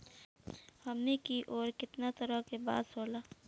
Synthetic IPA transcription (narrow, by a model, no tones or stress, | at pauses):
hɐmnekiʔoːɾkɪt̪nat̪əɾəkeba̰ːd̪soːlaː